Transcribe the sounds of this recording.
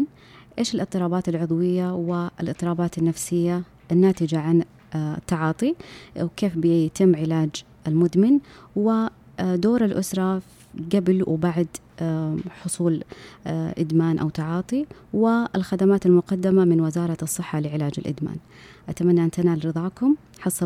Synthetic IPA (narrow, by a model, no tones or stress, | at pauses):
n | ʔeːʃɪlʔɨt̪ˤːɨɾˤɑːbaːt̪alʕʊðˤwɪjːawɪlʔɨt̪ˤːɨɾˤɑːbaːt̪anːafsɪjːa | ʔɪnːaːt̪ɪd͡ʒaʕan | t̪ːɑʕɑːt̪ˤiwkeːfbɪt̪ɪmːʕɪlaːd͡ʒ | ʔɪlmʊd̪mɪnwɪ | d̪oːɾalʔʊsɾˤɑ | ɡablwɪbaʕd̪ | ħʊsˤuːl | ʔɪ̰d̪maːnʔa̰wt̪ɑʕɑːt̪ˤiwɪɪlxad̪amaːt̪almʊqɑd̪ːamamɪnwɪzɑːɾˤɑɨsˤːɨħːɑlɪʕɪlaːd͡ʒɪ̰lʔɪ̰d̪ma̰ːn | ʔat̪amanːaʔant̪anaːlɾɨðˤɑːkʊm | ħɑsˤːɑ